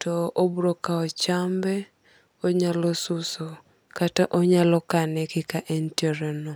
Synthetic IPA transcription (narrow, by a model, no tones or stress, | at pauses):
tɔobɾokaɔt͡ʃambɛ | ɔɲalɔsuso | kataʔɔɲalɔkanɛkɪkaʔɛntjoɾɛnɔ